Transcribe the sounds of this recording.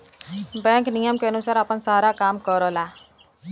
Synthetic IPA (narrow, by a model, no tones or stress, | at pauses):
bɛŋkniamkanusaɾapansaɾakamkɔɾɔla